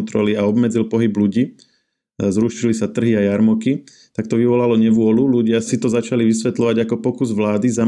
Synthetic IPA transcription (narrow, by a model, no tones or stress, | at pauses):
nt̪ɾɔliaɔbmɛd͡zilpɔɦibluɟiː | zɾuːʃilisat̪r̩ɦiajaɾmɔki | t̪ak̚t̪ɔʋiʋɔlalɔɲɛʋʊɔluluɟɪasit̪ɔzat͡ʃaliʋisʋɛt̪lɔʋaɟakɔpɔkuzʋlaːd̪izam